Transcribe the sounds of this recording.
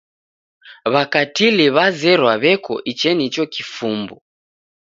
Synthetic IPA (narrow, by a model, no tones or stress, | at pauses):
βakatiliβazɛɾwaβɛkɔ̰ʔit͡ʃɛnit͡ʃɔkifumbu